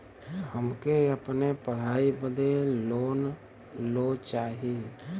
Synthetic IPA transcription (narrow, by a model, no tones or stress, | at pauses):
həmkeəpnepəɽ̤aːibəd̪eloːn | lot͡ʃaːɦi